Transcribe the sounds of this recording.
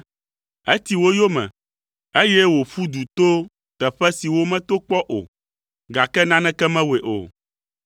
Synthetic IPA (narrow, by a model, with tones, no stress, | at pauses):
e˦t̪i˨wo˦jo˦mɛ̰̃˨ | e˦jɛ˦wo˨ɸu˦d̪u˨t̪o˦ | t̪ɛ˨ɸɛ˦si˨wo˦mɛ̃˦t̪o˦k͡pɔ˦ʔo̰˨ | ɡa˨kɛ˦nã˦nɛ̃˦kɛ˦mɛ̃˦we˨ʔo̰˨